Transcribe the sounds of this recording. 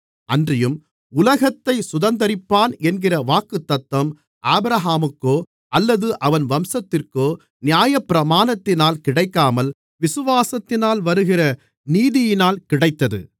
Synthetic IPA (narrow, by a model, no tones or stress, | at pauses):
ʔɐndrɪjɯm | ʊlɐɣɐt̪ːɐɪsʊðɐnd̪ɐɾɪpːaːnɛnɡɪrɐʋaːkːɯt̪ːɐt̪ːʋɐm | ʔaːbɾɐɦaːmɯkːoː | ʔɐlːɐðɯʔɐʋɐnʋɐmsɐt̪ːɪrkoː | nɪjaːjɐpːɪɾɐmaːnɐt̪ːɪnaːlkɪɽɐɪkːaːmɐl | ʋɪsɯʋaːsɐt̪ːɪnaːlʋɐɾɯɣɪrɐ | niːðɪjɪnaːlkɪɽɐɪt̪ːɐðɯ̰